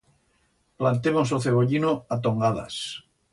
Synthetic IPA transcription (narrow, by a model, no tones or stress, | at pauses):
plant̪emosoθeɣ̞oʎinoat̪̬oŋɡaða̰s